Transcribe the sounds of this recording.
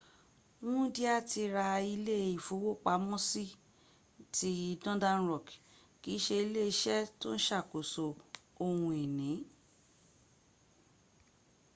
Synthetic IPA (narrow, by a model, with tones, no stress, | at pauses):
wũ˦di˦a˦˨ti˧ɾa˧i˧le˦˨i˨fo˨˦wo˦k͡pa˧˦mɔ̃˦si˦ | ti˧˦dɔ̃˦dã˦nɾɔ˨k | ki˨˦ʃe˧i˧le˦i˧ʃɛ˦to˦n̩˦ʃa˦˨ko˨so˧o˧hũ˧e˨nĩ˨˦